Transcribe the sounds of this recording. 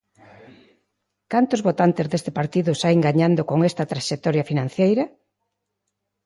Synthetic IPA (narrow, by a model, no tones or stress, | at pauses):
kant̪ʊzβot̪ant̪ezðest̪ɪpaɾt̪iðʊsajŋɡaɲand̪okoŋest̪ɐt̪ɾaʃek̚t̪ɔɾjɐfinãn̟θejɾɐ